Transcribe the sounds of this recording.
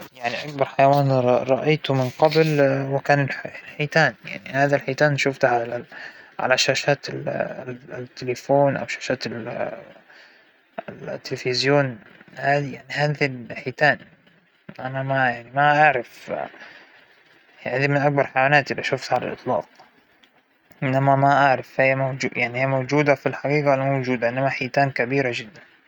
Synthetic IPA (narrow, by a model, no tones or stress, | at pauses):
jaʕniʔak̚bɑɾˤħajawaːnɾˤɑʔajt̪ʊmɪnqɑblwɪkaːnɪllħiːt̪aːnja̰ʕnihaːðalħiːt̪aːnʃʊft̪ʕalaʕa̰laʃaːʃaːt̪ɪ | t̪ːɪlɪfoːnʔa̰wʃaːʃaːt̪ɪ | ɪlt̪ːɪlfɪzjoːn | haːd̪ijaʕnihaːðilħiːt̪aːn | ʔanamajaʕnimaʔaʕɾɑf | jaʕnðimɪnʔak̚bɑɾˤħajwaːnaːt̪ʔɪlːiʔaʃʊft̪ʕala̰lʔɨ̰t̪ˤlɑ̰ːt̪̚ | ʔɪnːamamaʔaʕɾˤɑfijːamad͡ʒujaʕnihijːamowd͡ʒuːd̪afilħɑɡiːqalmowd͡ʒuːd̪aʔɪnːamaħiːt̪aːnkabiːɾad͡ʒɪd̪ːan